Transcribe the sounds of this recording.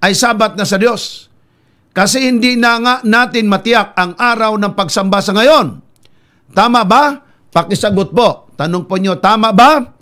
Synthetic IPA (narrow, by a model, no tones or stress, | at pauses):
ʔɐjsaːbat̪̚nasɐd̪jo̞s | kɐsɛhɪnd̪ɪnaŋaʔnaːt̪ɪnmɐt̪ɪjak̚ɐŋʔaːɾawnɐŋpɐɡsɐmbasɐŋɐjon | t̪aːmaʔba | pɐkɪsɐɡʊt̪̚pot̪ɐnoŋpoɲot̪aːmaʔba